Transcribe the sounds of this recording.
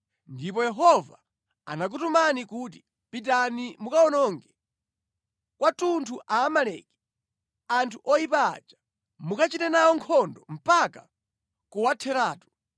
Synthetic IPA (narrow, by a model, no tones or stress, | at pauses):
ndipɔjɛɦɔva | a̰nak̬utumanikut̬i̥ | pit̬animukaɔnɔŋɡɛ | kwatuntʰuʔaːmalɛ̰ːkɛ̥ | antʰuʔɔjipa̰ːd͡ʒḁ | mukat͡ʃitɛnawɔŋkʰɔndɔm̩paka | kuwatʰɛɾaːtu̥